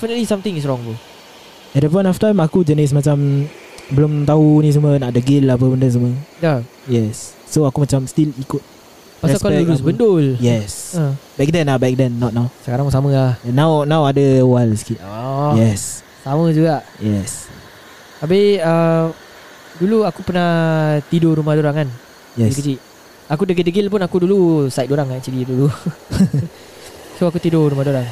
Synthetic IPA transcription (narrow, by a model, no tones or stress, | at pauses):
ɛfinətlisamt̪ɪ̃ŋis̬ɹɔŋtu | ɛt̚dəp̬ɔ̃j̃ntɔftãjmakud͡ʒənis̬mat͡ʃam | bəlʊmt̪aunĩs̬umənaʔdəɡɪlap̬əbəndəs̬umənija | jɛsː | oakumat͡ʃamst̪ilikʊt̪̚ | pasɛaskɔɛɾusbəndʊljɛsəbɛk̚dɛnabɛk̚dɛnːɔt̪̚nawsəkaɾãŋsamə̃lahɛnːãwnãwadəwalsi̥kiʔɔjɛs | samə̃d͡ʒuɡaʔjɛs | abiə | duluakupənat̪idoɾumahdoɾaŋan | jɛikət͡ʃiʔ | akudəɡildəɡilpʊnakudulusajt̪̚doɾaŋaʔt͡ʃididulu | soakut̪idoɾumahdoɾaŋ